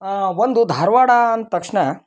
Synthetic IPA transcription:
aʋond̪ud̪ʱaːɾʋaːɽaɐnt̪ɐkʂɳɐ

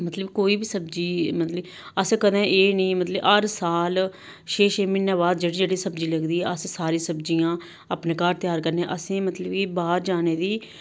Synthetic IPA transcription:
mət̪ləbkoːiːbiːsəbd͡ʒiːmət̪lə | əskəd̪ẽːʔeːnĩːmət̪ləbəɾsaːl | ʃeːʃeːmɪnːãːbaːd̪d͡ʒeːɽiːd͡ʒeːɽiːsəbd͡ʒiːləɡd̪iːɛːəssaːɾĩːsəbd͡ʒiːãː | apneːkaːɾt̪ɪjaːɾkəɾneːʔəsẽːmət̪ləbiːbaːɾd͡ʒaːneːd̪iː

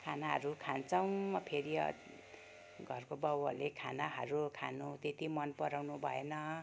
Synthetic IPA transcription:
kʰanaɦʌ̰ɾukʰant͡sʌw̃mʌpʰeɾiʌ̰ | ɡʱʌrkobʌwʌ̰lekʰanaɦʌɾukʰanut̪et̪imʌnpʌɾawnubʱʌenʌ

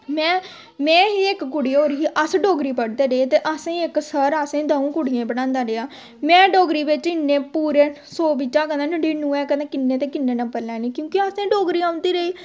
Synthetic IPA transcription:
mɛ̃ː | mɛ̃ːɦiːɪkkʊɽɪoːɾiʔəsɖoːɡɾiːpəɽd̪eːɾeeːt̪eːʔəsẽːɪksəɾəsẽːd̪əũːkʊɽɪjẽːbəɽãːnd̪aːɾejaː | mɛ̃ːɖoːɡɾiːʋɪt͡ʃɪnːeːpuːɾeː | soːbɪt͡ʃːaːkəd̪ãːnəɖeːnũːɛ̃ːkəẽːkɪnːeːt̪eːkɪnːeːnə̃pəɾlɛːnĩːkjõːkɪəsẽːɖoːɡɾiːaːʊ̃nd̪iːɾəiː

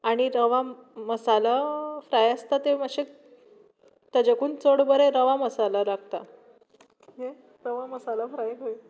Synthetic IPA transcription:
aɽ̃iɾəʋaməsalafɾajəst̪at̪eməɕek | t̪əd͡ʑakuːnt͡səɽbəɾeɾəʋaməsalaɾaɡt̪a | ɦe | ɾəʋaməsalafɾajɦoi

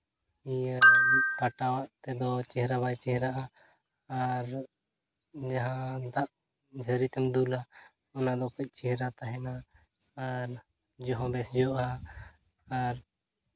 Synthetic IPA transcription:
iapaʈawaʔt̪ɛd̪ɔt͡ʃɛɦɾabajt͡ʃɛɦɛɾaʔaː | ɾ | d͡ʒaɦãd̪aʔ | d͡ʒʱəɾit̪ɛmd̪ula | ɔnad̪ɔkɔc̚ˀt͡ʃɛɦɛɾat̪aɦɛnaː | ɾ | d͡ʒɔɦɔ̃bɛsd͡ʒɔʔaː | ɾ

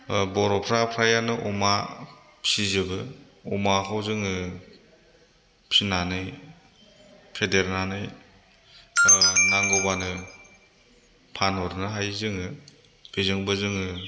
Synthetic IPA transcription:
bɔɾɔpʰɾapʰɾajanɯʔɔma | pʰizɯbɯ | ɔmakʰawzɯŋɯ | pʰinanɯj | pʰedeɾnanɯj | naŋɡobanɯ | pʰanɔɾnɯɦajzɯŋɯ | bezɯŋbɯzɯŋɯ

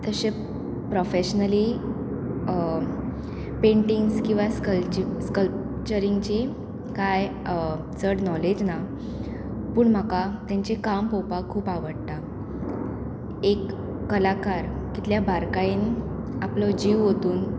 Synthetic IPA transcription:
t̪əɕe | pɾofeɕnəli | peɳʈiŋɡskĩw̃ʋaskəlt͡ɕiskəlp̚t͡ɕəɾiŋɡt͡ɕi | kaj | t͡səɽnɔled͡ʑna | puːɳm̤akat̪jaɲt͡ɕekampɔwpakʰːuːpaʋəɽt̪a | ekː | əlakaɾkit̪ljabʱaɾkain | aplɔd͡ʑiʋɦot̪uːn

